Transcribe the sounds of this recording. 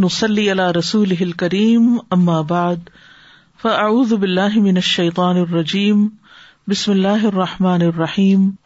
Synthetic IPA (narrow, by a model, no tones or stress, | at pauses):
nʊsˤɑlːiːʔalaːɾˤɑsuːlɪɦɪlkaɾiːmʔamːaːbaʕd̪ | faʔaʕuːðʊbɪlːaːɦɪmɪnaʃːɐjt̪ˤɑːnɑrˤːɑd͡ʒiːm | bɪsmɪlːaːɦʔɑrˤːɑħmaːnɑrˤːɑħiːm